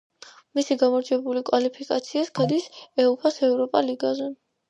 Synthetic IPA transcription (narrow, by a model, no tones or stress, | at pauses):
misiɡamɔɾd͡ʒɛbulikʼwalipʰikʼat̪sʰiaskʰad̪isɛupʰasɛvɾɔpʼaliɡazɛ